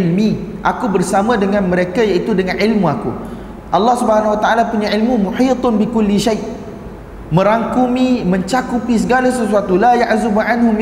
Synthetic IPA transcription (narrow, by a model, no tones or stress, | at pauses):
lmiʔakubərsamãdəŋãnmə̃ɾekajaʔit̪udəŋãnʕɪlmũakṵ | ʔɑlːɑhsubəɦanãwat̪aʔalapuɲãʕilmũmuħiːt̪ˤnbikʊlːiʃajʔ | mə̃ɾaŋkumĩmə̃ɲt͡ʃakupisəɡalasəsuat̪ulajaʔzubuʕanɦʊm